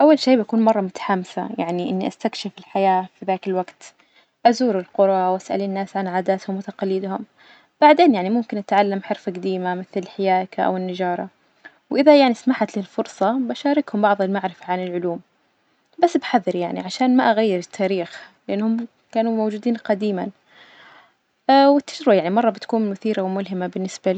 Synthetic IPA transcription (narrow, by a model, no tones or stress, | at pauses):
ʔawːalʃeːbakuːnmɑrˤːɑmʊt̪ḁħamsa̰jaʕniʔɪnːiʔast̪akʃɪfɪlħajaːfiðaːkɪlwaɡt̪ | ʔazuːɾɪlqʊɾˤɑwʔasʔa̰lɪnːaːsʕanʕaːd̪aːt̪hʊmwɪt̪aqɑlːɪd̪hʊm | b̥aʕd̪eːnjaʕnimʊmkɪnʔat̪ʕalːamħɪɾfaɡd̪iːmamɪθlɪlħɪjaːkaʔa̰wɪnːad͡ʒɑːɾˤɑ | wʔɪðajaʕnismaħat̪lɪlfʊɾsˤɑbaʃaːɾɪkhʊmbɑʕðˤɪlmaʕɾɪfaʕanɪlʕʊluːm | basːbħaðːɪɾjaʕnḭʕaʃaːnmaʔaɣajːɪɾɪt̪ʰːaːɾiːxlɪʔɪnːhʊmː | kaːnumowd͡ʒuːd̪iːnqɑd̪iːman | ʔwɪt̪ːad͡ʒɾɪbajaʕnimɑrˤːɑbɪt̪kuːnmʊθiːɾʔawmʊlɦɪmabɪnːɪsbal